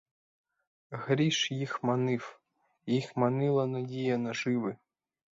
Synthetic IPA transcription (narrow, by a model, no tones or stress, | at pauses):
ɣɾʲiʃjixmanɪw | jixmanɪlˠɐnɐdʲijɐnɐʒɪʋɪ